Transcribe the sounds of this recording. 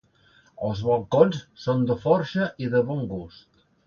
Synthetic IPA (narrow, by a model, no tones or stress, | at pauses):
əlˠzβolˠkonssond̪əfɔɾʃəʔiðəβɔŋɡust̪